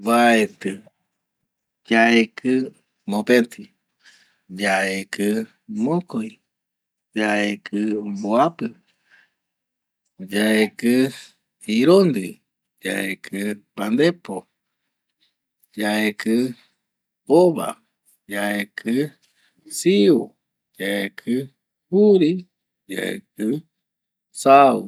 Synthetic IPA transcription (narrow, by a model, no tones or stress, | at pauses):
βaet̪ɨ | d͡ʒaekɨ | mõpent̪ʰi | d͡ʒaekɨ | mõkoj | d͡ʒaekʰɨboapɨ | d͡ʒaekɨ | iɾond̪ɨ | d͡ʒa̰ekʰɨpand̪epo | d͡ʒaekɨ | oβa̰ | d͡ʒaekʰɨ | siu | d͡ʒaekʰɨ | huɾi | d͡ʒa̰ḛkɨ | sau